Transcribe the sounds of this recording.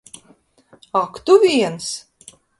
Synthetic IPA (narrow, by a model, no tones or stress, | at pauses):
akt̪uvʲiɛns